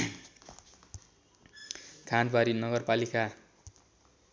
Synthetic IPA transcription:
kʰanbaɾinʌɡʌrpalika

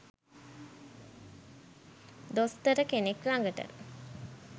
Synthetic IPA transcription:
d̪ost̪əɾəkeneklaŋɡəʈə̰

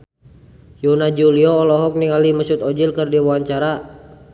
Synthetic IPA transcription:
junad͡ʒuliɔːlɔɦɔk̚niŋaliməsut̪ɔd͡ʒilkərdiwuwaɲt͡ʃaɾa

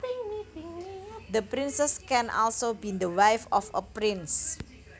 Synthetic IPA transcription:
d̪əpɾɪnsɛskɛ̃nʔɔ̰lsobind̪əwajfɔfə̰pɾɪns

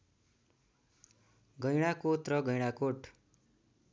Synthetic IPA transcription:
ɡʌjɽ̃akoʈrʌɡʌjɽ̃akoʈ

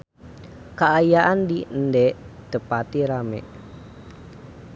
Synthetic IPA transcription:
kaːjaʔandindɛʔd̪̥əpat̪iɾamḛʔ

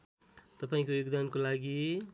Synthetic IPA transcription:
t̪ʌpaĩkojoɡd̪ankolaɡi

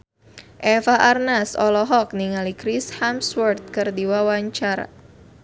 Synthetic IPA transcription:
ʔɛfaʔarnasɔlɔɦɔk̚niŋalikɾishamswɔrt̪̚kɨrdiwawaɲt͡ʃaɾa̰

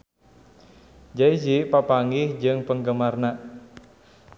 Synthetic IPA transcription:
d͡ʒaid͡ʒipapaŋɪhd͡ʒɨŋpəŋɡəmarna

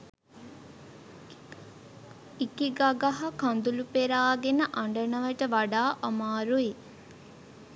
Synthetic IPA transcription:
ikiɡaɡaɦakand̪ulupeɾaːɡenəʔaɳɖənəʋəʈəʋaɖaːʔamaːɾui

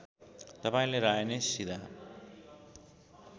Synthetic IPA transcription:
t̪ʌpaĩleɾaenesid̪a

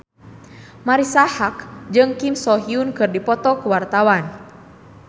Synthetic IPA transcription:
maɾisahakd͡ʒɨŋkimsɔɦiunkɨrdipɔt̪ɔkuwart̪awan

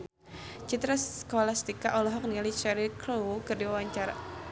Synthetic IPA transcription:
t͡ʃit̪ɾaskɔlast̪ikaʔɔlɔɦɔk̚nialit͡ʃɛɾikʰlowkɨrdiwawaɲt͡ʃaɾa̰

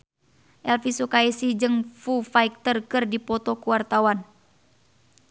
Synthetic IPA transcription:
ʔɛlfisukaisihd͡ʒɨŋfufaik̚t̪ərkɨrdipɔt̪ɔkuwart̪awan

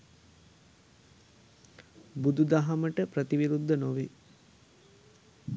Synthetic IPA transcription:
bud̪ud̪aɦaməʈəpɾət̪iʋiɾud̪ʱːənoʋi

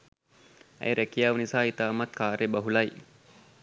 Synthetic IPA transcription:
æ̰jɾækijaːʋənisaːit̪aːmɐt̪kaːɾebɐɦulɐj

